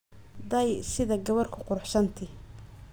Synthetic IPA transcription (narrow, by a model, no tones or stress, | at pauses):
d̪ɛjsɪðɐɡɐβɐrkʰʊqʊɾħʃɐnt̪ʰɪ